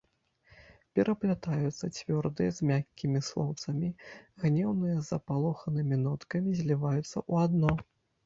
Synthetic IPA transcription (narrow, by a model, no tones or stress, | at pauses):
pʲɛɾʔɐplʲat̪ajut̪sːɐt͡sʲvʲɔrd̪ɨjɛzʲmʲakʲːimʲislˠɔ̰wt̪sɐmʲiɣnʲɛwnɨjɐzɐpalˠɔxɐnɨmʲinɔt̪kɐmʲizʲlʲivajut̪sːɐ̰ʔuad̪nɔ